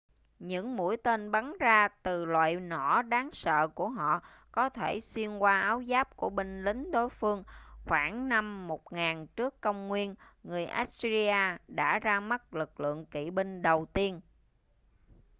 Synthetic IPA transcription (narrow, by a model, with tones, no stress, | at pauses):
ɲɨ̰˧˥ŋmṵ˧˥əjt̪e˧nɓa˨˦nzaː˧t̪ɨ˨˩lwa̰ː˧˨jnɔ˧˩ɗaː˨˦ŋsə̰ː˧˨ku˧˩əɦɔ̰˧˨ | kɔ˨˦t̪ʰe˧˩swi˧ənkwaː˧ʔaː˨˦wzaː˦˥p̚ku˧˩əɓi˧ŋ̟lï˨˦ŋ̟ɗo˨˦jfɨ˧əŋxwaː˧˩ŋna˧mːo˨˩t̚ŋaː˨˩nt͡ɕɨ˦˥əkːə˧wŋ͡mŋwi˧ənŋɨ˨˩əjʔa̰ː˦˥t̚szi˧aː˧ɗa̰ː˧˥zaː˧ma˦˥t̚lɨ˨˩k̚lɨ̰˧˨əŋkḭ˧˨ɓi˧ŋ̟ɗə˨˩wt̪i˧ən